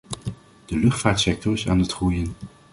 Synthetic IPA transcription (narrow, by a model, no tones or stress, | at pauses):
d̥əlɵχtfaːɹtsɛk̚tɔɹɪsa̰ːnətχrujən